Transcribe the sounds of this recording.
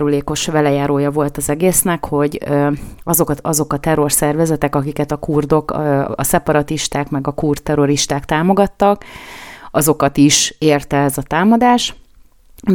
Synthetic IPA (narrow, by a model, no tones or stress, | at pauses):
ɾuleːko̞ʃʋɛlɛjaːɾoːjɒvo̞lt̪ɒzɛɡeːsnɛkho̞ɟ | ɒzo̞kɒzo̞kɒt̪ɛro̞rsɛrvɛzɛt̪ɛkɒkikɛt̪ɒkuːrd̪o̞kɒ̰sɛpɒɾɒt̪iʃt̪aːkmɛɡɒkuːrt̪ːɛɾo̞ɾiʃt̪aːkt̪aːmo̞ɡɒt̪ːɒk | ɒzo̞kɒt̪iʃeːrt̪ɛɛzɒt̪aːmɒd̪aːʃ